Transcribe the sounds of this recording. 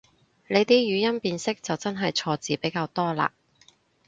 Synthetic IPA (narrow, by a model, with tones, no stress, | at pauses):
le˨˧jt̪iː˥jyː˨˧jɐ˥npiː˧nsɪ˥k̚t͡sɐ˨wt͡sɐ˥nɦɐ˨jt͡sʰɔː˧t͡siː˨pe˨˥jkaː˧wt̪ɔː˥la̰ː˧